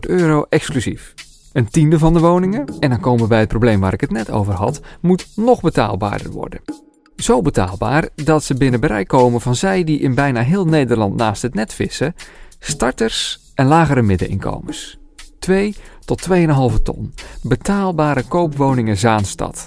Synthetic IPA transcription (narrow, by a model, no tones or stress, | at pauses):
tøːrowʔɛksklyzif | əntindəvɑndəʋownɪŋəɛndɑnkoːwməʋəbɛjət̚prowblejmʋaːɾɪkətnɛto̰wvərɦɑ̰tmutnɔχbəta̰ːlˠba̰ːdə̰rʋɔ̰ɹdə̰ | z̥owbəta̰ːlˠba̰ːrdɑtsəbɪnəbəɾɛ̰jkowməvɑnzɛjdiʔɪnbɛjnaːɦɪːlˠnejdərlɑntnaːstɦətnɛtfɪsəstɑɹtərs | ʔɛnlaːɣəɾəmɪdə̰ʔɪ̰nkʰo̰wməs | tʋejtɔtʰːʋejənəɦɑlˠvətʰɔ̰nbətaːlˠbaːɾəkowpʋownɪŋəzaːnstɑ̰t